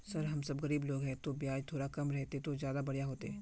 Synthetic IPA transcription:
sɐɾɦɐmsɐbɣɐɾiːbloːɡɦɛ̃t̪obijaːd͡ʒt̪ʰoːɾɽakɐmɾɛɦt̪et̪ozjaːd̪abɐɽ̤jaɦoːt̪eɦɛː

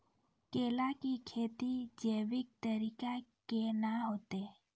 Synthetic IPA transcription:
keːlakikʰeːt̪id͡ʒeʋɪk̚t̪əɾiːkakenaɦoːt̪eː

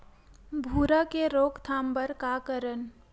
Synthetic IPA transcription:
bʱuːɾakeɾoːkt̪ʰaːmbəɾkakəɾən

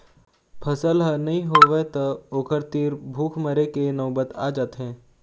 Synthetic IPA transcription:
pʰəsəlɦənɐɦĩɦoʋet̪əoːkəɾt̪iɾbʱuːkʰməɾekenɐːbət̪aːd͡ʒaːt̪ɦɛ̃ː

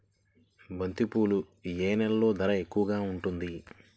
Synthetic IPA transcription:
bɐnt̪ipuːlu | jeːnɛlːo̞ːd̪ɐɾɐe̞kːuʋɐɡaːuɳʈund̪i

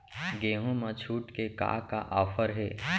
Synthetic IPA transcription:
ɡeːɦõmãt͡ʃʰuːʈkeka̰ːka̰ʔaːfʰəɾɦeː

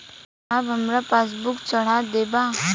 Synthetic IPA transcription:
abɦəmɾapaːs̬bʊkt͡ʃəɽ̤ad̪eːba

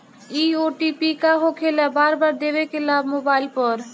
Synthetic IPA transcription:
ioʈipikaɦokʰelabaɾbaɾd̪eβekelamobailpɔɾ

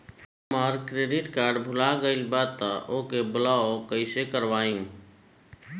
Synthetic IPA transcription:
maːɾkɾeːɖɪʈkaːɾɖbʱʊlaɡəɪlbaːt̪ːaʔoːkebəlaːokəisekəɾʋaːjũː

